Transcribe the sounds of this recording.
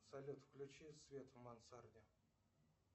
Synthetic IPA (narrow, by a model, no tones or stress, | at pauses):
salʲut̪fklʲut͡ɕisvʲet̪vmansarnʲɪ